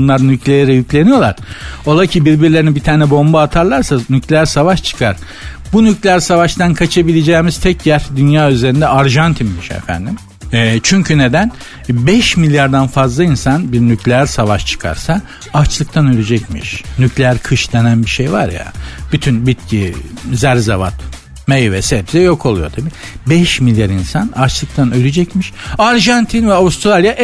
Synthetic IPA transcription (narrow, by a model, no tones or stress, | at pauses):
nlˠaɾnyclʲejeɾɛjyclʲe̞nijo̞lˠaɾ̥o̞lˠacʰibiɾbiɾlʲeinbit̪ʰaːnɛbo̞mbaːt̪ʰaɾlˠaɾsanyclʲeæɾsavaʃt͡ʃʰɯ̥kʰaɾ̥ | bunyclʲeæɾsavaʃt̪ʰankʰat͡ʃʰabilʲed͡ʒɛːmiz̥t̪ʰɛcjæɾd̪ynjaːyze̞ɾind̪ɛaɾʒant̪ʰimmiʃɛ̰fæ̰nd̪im | ɛt͡ʃʰyɲcʰyne̞d̪æn | bɛʃmilʲjaɾd̪anfazlˠainsanbiɾnycʰʲlʲeæɾsavaʃt͡ʃʰɯ̥kʰa̰ɾsa | at͡ʃlˠɯk̚t̪ʰanølʲyd͡ʒɛcmḭʃnycʰlʲeæɾkʰɯʃd̪enænbiʃejva̰ɾja̰b̥yt̪ʰynbit̪̚cʰizæɾzavat̪ | mejvɛsɛbziɛjo̞kʰo̞lˠujo̞̰t̪ʰabiː | bɛʃmilʲjaɾinsanat͡ʃlˠɯk̚t̪ʰanølʲyd͡ʒɛcmiʃaɾʒant̪ʰinvɛavust̪ɾalʲˠjaʔ